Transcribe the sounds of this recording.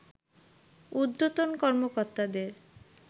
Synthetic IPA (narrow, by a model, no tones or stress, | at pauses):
ud̪ːot̪onkɔɾmokoɾt̪ad̪eɾ